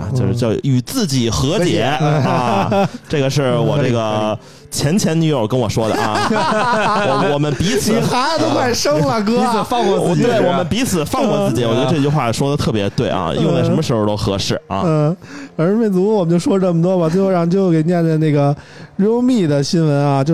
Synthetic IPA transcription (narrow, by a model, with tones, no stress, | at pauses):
a̰˧t͡ɕjo˧ʂɻ̩˥˧jɑ˥˩ʊy˨˩t͡sɹ̩˥˩t͡ɕi˨˩xɤ˧˥t͡ɕjɛ˥˧˥ʈ͡ʂɤ˥˩ɡə˩ʂɻ̩˥˩wɔ̰˨˩ʈ͡ʂɤ˥˩ɡə˩ | t͡ɕʰjɛ˧˥nt͡ɕʰjɛ˧˥nny˧˥ə˨˩kə˥nwɔ˨˩ʂwɔ˥d̪ə˩˨ʔ | ɔ˧wɔ˨˩mə˦npi˧˥t͡s̩ʰ˨˩xa˧˥˨t̪o˥ʊkʰwa˥˩ʂɤ˥ŋlə˨k̬ɤ˥˨˩fɑ˥˧ŋkwɔ˥˧t͡sɹt͡ɕt̪we˥˩ɪwɔ˨˧mə˦npi˧˥t͡sʰɹ̩˨˩fɑ˥˧ŋkwɔ˥˧t͡s̩˥˩t͡ɕi˨˥wjɥɛ˧˥˧ə˧ʈ͡ʂɤ˥˧t͡ɕy˥˧xwa˥˩ʂwɔ˥d̪ə˨t̪ʰɤ˥˩pjɛ˧˥t̪we˥˩ɪʔɐ̰˧˩jo̰˥˧ŋa˥˩ʂmə˧ʂɻ̩˧˥xo˧˩t̪o˥ʊxɤ̰˧˥ʂɻ̩˥˩ɐ̰˧˥˩a˧˥˩me˥˩ɪt͡su˧˥ɔ˧˩wɔ˨˩mə˦nt͡ɕjo˥˧ʊʂwɔ˥lʈ͡ʂə˥˩mə˩t̪̬wɔ˥ba˨t͡s̪xo˥˧ɑ˥˩˧t͡ɕjo˥˧ʊ˩ke˨˩ɪnjɛ˥˧nt͡sa˥˧ɪna˥˩ɡə˩ɻo˥ʊmi˥˩d̪ə˩ɕi˥nwə˧˥na˧t͡ɕjo˥˧ʊ